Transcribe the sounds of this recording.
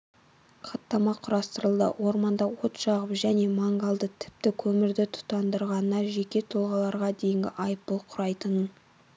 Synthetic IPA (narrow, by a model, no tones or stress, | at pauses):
qʰɑt̪ːɑmɑqʰʊɾɑst̪əɾəlˠd̪ə̰wo̞ɾmɑnd̪ɑwo̞t̪ʃɑʁəpʒæne̞mɑŋɡɑlˠd̪ət̪ʰɪ̥p̚t̪ɪkʲʰɵmɪɾd̪ɪt̪ʰʊ̥t̪ɑnd̪əɾʁɑnənɑʒe̞kʲe̞t̪ʰʊlˠʁɑlˠɑɾʁɑd̪e̞jɪŋɡʲɪ̰ʔɑjəp̚bolˠqʰʊɾɑjt̪ənən